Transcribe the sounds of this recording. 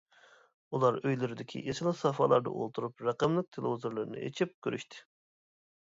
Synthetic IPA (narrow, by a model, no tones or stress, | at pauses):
ulˠɑɾøjlyɾyd̪ɪkʲʰḭʔet͡ʃʰilˠɨsɑfɑlˠɑɾd̪ɑ̰ʔo̰lˠt̪ʰuɾupɾɑqɑmlˠɨk̚t̪ʰelˠɨvizuɾlˠɨɾɨnɨ̰ḛt͡ʃʰip̚kʲøɾʔyʃt̪ʰɪ̥